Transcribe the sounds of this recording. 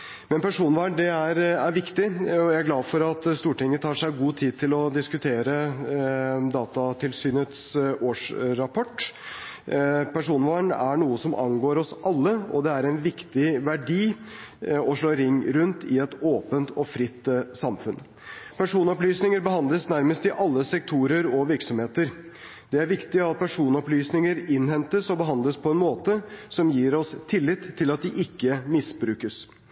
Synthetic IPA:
mɛnpæʂuːnʋɑːɳɖɛæɾæɾʋɪkt̪ɪɔjæɪæɾɡlɑːʋfɔɾɑt̪st̪uːʈɪŋːət̪ʰɑːʂæɪɡuːt̪ʰiːd̪̚t̪ʰɪlɔd̪ɪskʉt̪ʰeːɾə | d̪ɑːt̪ɑt̪ʰɪlsyːnət̪soːʂɾɑpʰɔʈː | pʰæʂuːnʋɑːɳæɳuːəsɔmʔɑ̰nɡoːɾɔsʔɑlːəɔ̰d̪ɛæɾɛnʋɪkt̪ɪʋæɖiː | ɔʂɭoːɾɪŋːɾʉnt̪ɪɛt̪oːpənt̪ɔfɾɪt̪ːsɑmfʉn | pʰæʂuːnɔplyːsnɪŋəɾbəhɑnd̪ləsnæɾməst̪ɪʔɑlːəsɛk̚t̪ʰuːɾəɾɔʋɪɾksɔmheːt̪əɾ | d̪̥ɛæɾʋɪkt̪ɪɑt̪̚pʰæʂuːnɔplyːsnɪŋəɾɪnhɛnt̪əsɔbəɦɑnd̪ləspʰɔɛnmoːt̪əsɔmjiːɾɔst̪ʰɪlːɪt̪ʰːɪlɑt̪̚d̪ɪʔɪkːəmɪsbɾʉːkəs

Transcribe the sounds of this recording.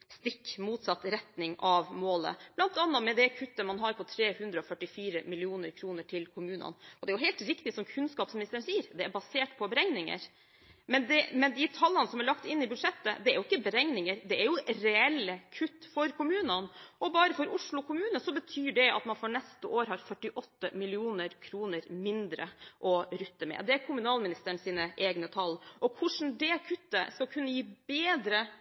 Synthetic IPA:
st̪ɪkːmuːt̪sɑt̪ːɾɛt̪nɪŋɑʋmoːlə̰b̥lɑnt̪ɑnːɑt̪mɛd̪ɛkʰʉt̪ːəmɑnɦɑɾpʰɔt̪ʰɾeːhʉnd̪ɾəɔfœʈːɪfiːɾəmɪlɪuːnəɾkʰɾuːnəʈʰɪlkʰʊmʉːnɑ̰nɔd̪ɛæɾjʊɦɛɪlt̪ɾɪkt̪ɪsɔmkʰʉnskɑːpsmɪnɪst̪əɾəɳsiːəɾd̪ɛæɾbɑseːʈpʰɔbɛɾɛŋnɪŋə̰ɾ | mɛnd̪ɛmɛnd̪ɪt̪ʰɑlːənəsɔmæɭɑkt̪ɪnːɪbʉd̪ʂɛt̪ːə̰d̪ɛæɾjʊɪkːəbɛɾɛŋnɪŋəɾd̪ɛæɾjʊɾɛɛlːəkʰʉt̪ːfɔɾkʰʊmʉːnənʔɔbɑːɾəfɔɾʊʂɭʊkʊmʉːnəsɔbət̪ʰyːɖɛɑ̰t̪mɑnfɔɳɛst̪əʔoːɾɦɑɾfœʈːɪʔɔt̪ːəmɪlɪuːnəɾkʰɾuːnəɾmɪnd̪ɾə̰ʔɔɾʏt̪ːəmɛ̰d̪ɛæɾkʰʊmʉnɑːlmɪnɪst̪əɳ̩siːnəʔeːɡnət̪ʰɑlːʔɔkʰʊʂn̩d̪ɛkʰʉt̪ːə̰skɑlkʰʉnːəjiːbeːd̪ɾə

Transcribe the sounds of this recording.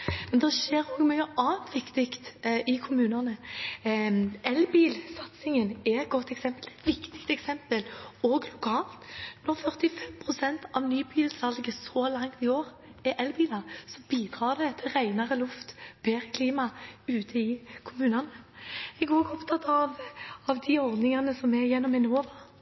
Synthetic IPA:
mɛnd̪ɛʃeːʁoːɡmyːəʔɑːnt̪ʰʋɪkt̪ɪkt̪ɪkʰʊmʉːnɑnə | ɛlbiːlsɑt̪sɪŋənɛɛt̪̚ɡ̥ɔt̪ːɛksɛmpəlɛt̪ʋɪkt̪ɪ̥kt̪ɛksɛmpəloːɡlʊkʰɑːlt̪nɔʁfœʁt̪ɪfɛmpʰʁʊsɛnt̪ʰɑʋnyːbiːlsɑlɡəsɔːlɑŋt̪ɪoːʁ | ɛʔɛlbiːlɑsɔbiːd̪ʁɑːʁd̪ɛt̪ʰɪlʁæɪnɑʁəlʊft̪b̥eːɾəkʰliːmɑʉːt̪ʰəɪkʰʊmʉːnɑnəɛɡoːɡɔpt̪ʰɑt̪ɑʋɑʋd̪ɪɔʁd̪nɪŋɑnəsɔmɛjɛnːɔmɛnoːʋɑ

